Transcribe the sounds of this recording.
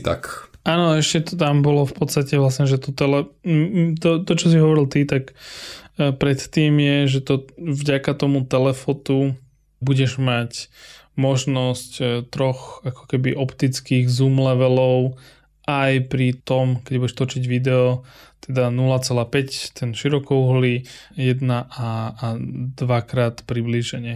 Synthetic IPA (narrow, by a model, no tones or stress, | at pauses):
t̪a̰kaːnɔɛʃcɛt̪ɔt̪ambɔlɔfpɔt̪st̪acɛʋlasɲɛʒɛt̪ɔt̪ɛlɛ | t̪ɔt̪ɔt͡ʃɔs̬iɦɔʋɔɾilt̪it̪akː | pɾɛt̪t̪iːmjɛʒɛt̪ɔvɟakat̪ɔmut̪ɛlɛfɔt̪u | buɟɛʒmac | mɔʒnɔsct̪ɾɔxakɔ̥kɛbiʔɔpt̪it͡skiːɣzumlɛʋɛlɔʊ | ʔajpɾit̪ɔmkɛɟbuɟɛʃt̪ɔt͡ʃiɟʋid̪ɛɔt̪ɛd̪anulat͡sɛlaːpɛct̪ɛnʃiɾɔkɔuɦlijɛd̪naʔaː | d̪ʋakɾaːt̪pɾibliʒɛɲɛ